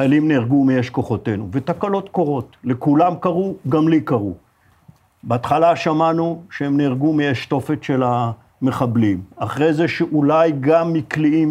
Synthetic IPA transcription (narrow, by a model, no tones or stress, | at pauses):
alimniʁɡumijeʃko̞χo̞te̞nuvet̪akalo̞t̪koʁo̞tlekulamkaʁuɡamlikaʁu | beat̪χalaʃamanuʃeemniʁɡumijeʃt̪o̞fet̪ʃe̞la | meχablimaχʁejzeʃeʔulajɡamːikliim